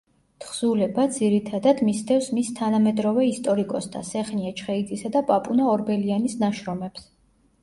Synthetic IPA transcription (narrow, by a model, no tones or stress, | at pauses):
t̪ʰχz̥ulɛbad̪ziɾit̪ʰad̪ad̪mist̪ʰɛfsmist̪ʰanamɛd̪ɾɔvɛist̪ʼɔɾikʼɔst̪ʰa̰sɛχniat͡ʃʰχɛid̪zisad̪apʼapʼunaɔɾbɛlianisnaʃɾɔmɛps